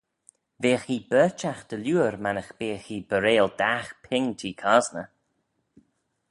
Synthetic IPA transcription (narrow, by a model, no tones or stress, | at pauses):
veːxiːbɜːt͡ʃaxd̪̥əlʲuːɾmanəxb̥eːxiːbəɾeːld̪axpʰɪŋt̪ʰiːkʰaːznə